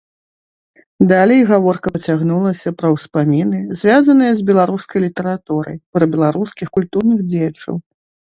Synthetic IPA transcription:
d̪alʲɛjɣavɔrkɐɐt͡sʲaɣnulˠɐsʲɐpɾɐwspamʲinɨzʲvʲazɐnɨjɐzʲbʲɛlˠaɾuskɐjlʲit̪ɛɾat̪uɾɐ̰jpɾɐbʲɛlˠaɾuskʲixkulʲt̪urnɨɣd͡zʲejɐt͡ʂɐ̰w

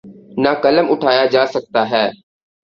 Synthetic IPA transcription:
naːkələmʊʈʰaːjaːd͡ʒaːsək̚t̪aːɦɛː

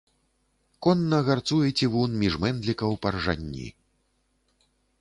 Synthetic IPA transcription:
kɔnːɐɣart̪sujɛt͡sʲivunmʲiʐmɛnd̪lʲikɐwpɐrʐa̰nʲːḭ

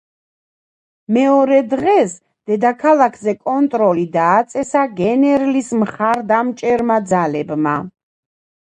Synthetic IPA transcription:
mɛɔɾɛd̪ʁɛs | d̪̥ɛd̪akʰalˠakʰzɛkʼɔnt̪ʼɾɔlid̪aːt̪sʼɛsaɡɛnɛɾlismχaɾd̪amt͡ʃʼɛɾmad̪zalɛbma̰

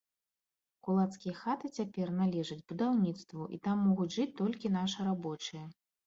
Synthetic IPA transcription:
kulˠat̪skʲijɐxat̪ɨt͡sʲapʲɛrnalʲɛʐɐd͡zʲbud̪awnʲit̪st̪vuʔḭt̪amːɔɣud͡zʲʐɨt͡sʲt̪ɔlʲkʲinaʂɨɾabɔt͡ʂɨjɐ

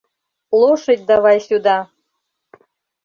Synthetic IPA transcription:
lˠoʃɨt̪̚ʲd̪ɑvɑjsʲud̪ɑ

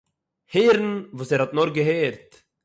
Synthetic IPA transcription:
heːɾn̩vuːsɛːɾhɔtnɔɾɡəɦeːɾt

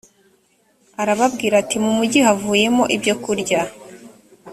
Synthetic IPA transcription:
aɾaβabɡiːɾatimumuɟiɦavuːje̞mo̞ʔibɟo̞kuɾɟa

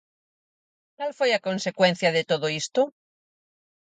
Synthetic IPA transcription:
t̪alfojakõnsekwen̟θjaðet̪oðoist̪o

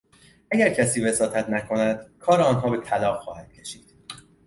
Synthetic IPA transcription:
ʔæɟæɾcʰæsiːve̞sɒːt̪ʰæt̪ʰnækʰo̞næd̪̥kʰɒːɾeɒːnɦɒːbe̞t̪ʰælɒːxɒːhæd̪̥̚cʰe̞ʃiːd̪̥

